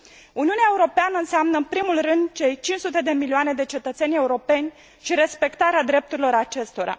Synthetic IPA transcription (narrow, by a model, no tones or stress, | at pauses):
uniuneae̞uɾo̞peanəɨnseamnəɨmpɾimulrɨnd̪t͡ʃe̞jt͡ʃint͡ʃsut̪e̞d̪e̞milioane̞d̪e̞t͡ʃe̞t̪ət̪se̞nʲe̞uɾo̞pe̞nʲ | ʃiɾe̞spe̞kt̪aɾead̪ɾe̞p̚t̪uɾilo̞ɾat͡ʃe̞st̪o̞ɾa̰